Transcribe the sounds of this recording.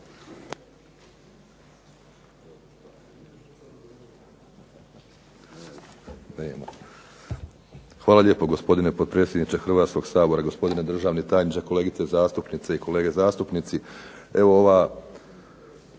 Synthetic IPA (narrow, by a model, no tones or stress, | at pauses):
neːma̰ | xʋaːlaʎe̞ːpo̞ɡo̞spo̞d̪inepo̞d̪̚pɾet̪sjed̪nit͡ʃ̪exr̩ʋaːt̪sko̞ɡ̥saːbo̞ɾaɡo̞spo̞d̪ine̞d̪ɾr̩ʒaːʋnit̪aːjnit͡ʃekole̞ːɡit̪sezaːst̪upnit̪seiko̞le̞ːɡe̞zaːst̪upnit̪si | eʋooʋa